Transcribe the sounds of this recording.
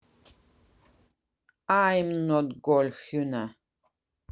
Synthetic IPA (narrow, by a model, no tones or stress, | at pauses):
ajmnɔt̚ɡɔlxuna